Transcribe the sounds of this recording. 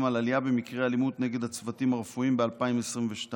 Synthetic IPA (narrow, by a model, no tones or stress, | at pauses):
malalijabemikʁealimut̪ne̞ɡe̞d̪hat͡svatimaʁefuimbealpaimesʁimveʃta